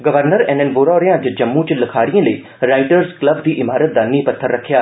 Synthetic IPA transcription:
ɡəʋəɾnəɾɛːnɛːnboːɾɔːɾɪjãːt͡ʃd͡ʒəmːũt͡ʃləkʰaːɾijãːləiː | ɾaːɪʈəɾzkləbd̪iːʔɪmaːɾət̪̚d̪aːniːpət̪ʰːəɾːəkʰːjaː

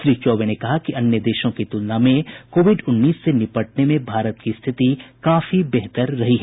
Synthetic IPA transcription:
ʃɾiːt͡ʃɔːʋenekɐɦakiʔɐnjəd̪eːʃõkit̪ʊlnamẽkoːʋɪɖʊnːiːsːenɪpəʈ̚nemẽbʱaːɾət̪kist̪ʰɪt̪ikaːfibɛɦt̪əɾːɐɦiɦɛː

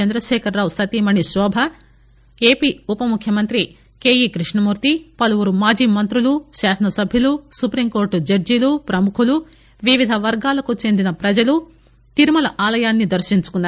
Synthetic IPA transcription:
ɐnd̪ɾɐʃɛːkʰɐɾːaːwsɐt̪imɐɳiʃɔːbʱɐ | e̞ːpiːupɐmukʰjɐmɐnt̪ɾi | ke̞ːjikɾiʂɳɐmuːɾt̪ipɐluʋuɾumaːd͡ʒiːmɐnt̪ɾuluʃaːsɐnɐsɐbʱjɐlusupɾimko̞ːɾʈd͡ʒɐɾd͡ʒilupɾɐmukʰulu | ʋiʋid̪ʱɐʋɐɾɡaːlɐkut͡ʃe̞nd̪inɐpɾɐd͡ʒɐlu | t̪iɾumɐlɐʔaːlɐjaːnːid̪ɐɾʃiɲt͡ʃu̥kunːaːɾ

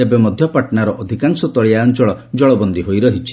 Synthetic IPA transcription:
ebemɔd̪ʱjɔpaʈnaɾɔʔɔd̪ʱikaŋsɔt̪ɔɭiaɔnt͡ʃɔɭɔd͡ʒɔɭɔbɔnd̪iɦojɾɔɦit͡ʃʰi̥

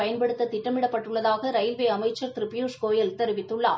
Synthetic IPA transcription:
ɐjɐnpɐɽɯt̪ːɐt̪ɪʈːɐmɪɽɐpːɐʈːɯɭːɐðaːɣɐɾɐɪlʋeːɐmɐɪt͡ʃːɐɾt̪ɪɾɪpːɪjuːʂkoːjɐlt̪ɛɾɯʋɪt̪ːɯɭːa̰ː

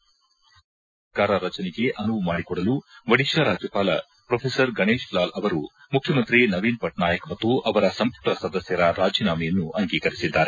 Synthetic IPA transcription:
kaːɾɐɾɐt͡ʃɐniɡe̞ʔɐnuʋmaːɽikɔɽɐluʋɐɽiʃɐɾaːd͡ʒjɐpaːlɐ̰ | pɾopʰeːsɐɾɡɐɳeːʃlaːlɐʋɐɾu | mukʰjɐmɐnt̪ɾinɐʋiːnpɐʈnaːjɐkmɐt̪ːuʔɐʋɐɾɐsɐmpuʈɐsɐd̪ɐsjɐɾɐɾaːd͡ʒiːnaːmɐjɐnːuʔɐŋɡiːkɐɾisid̪ːaːɾe

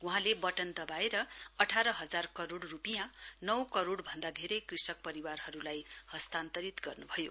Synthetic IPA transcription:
uɦãlebʌʈʌnd̪ʌbaeɾʌʌʈʰaɾʌɦʌd͡zarkʌɾoɽrupijãnʌwkʌɾoɽbʱʌnd̪ad̪ʱeɾʌjkrisʌk̚pʌɾiwarɦʌɾulajhʌst̪ant̪ʌɾit̪ɡʌrnubʱʌjo

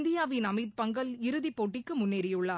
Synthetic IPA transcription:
nd̪ɪjaːʋɪnɐmɐɪt̪̚pɐŋɡɐlɪɾɯðipːoːʈːɪkːɯmʊnːeːɾɪjɯɭːaː

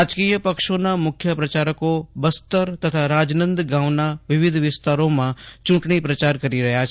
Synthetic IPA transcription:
ad͡ʒkiːjəpəkʃonamʊkʰjəpɾət͡ʃaːɾəkobəst̪əɾt̪ət̪ʰaɾaːd͡ʒnə̃nd̪ɡãːʋnaʋɪʋɪd̪ʱʋɪst̪aːɾõmãt͡ʃʊ̃ɳʈɳ̃ipɾət͡ʃaːɾkəɾiɾɐɦjat͡ʃʰ

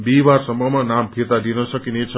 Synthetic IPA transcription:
bibaɾsʌmbʱʌmanampʰit̪ad̪inʌsʌkinet͡sʰ

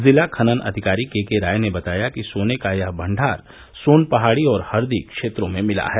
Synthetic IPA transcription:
zɪlakʰɐnənɐ̰d̪ʱɪkaːɾikeːkeɾaːjnebɐt̪aːjakisoːnekajɐɦbʱɐ̃ɳɖʱaːɾ | soːnpɐɦaːɽiɔːɾhɐɾd̪ikkʃeːt̪ɾõmẽmɪla̰ɦɛː

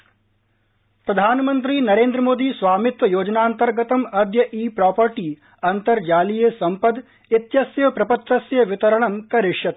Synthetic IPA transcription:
pɾɐd̪ʱaːnɐmɐnt̪̬ɾiːnɐɾeːnd̪ɾɐmoːd̪iːsʋaːmit̪ʋɐjoːd͡ʒɐnaːnt̪ɐɾɡɐt̪ɐmɐd̪jɐʔiːpɾaːpɐɾʈi | ɐnt̪ɐɾd͡ʒaːlijeːsɐmpɐd̪ | it̪jɐsjɐpɾɐpɐt̪ːɐsjɐʋit̪ɐɾɐɳɐmkɐɾɪʂjɐt̪

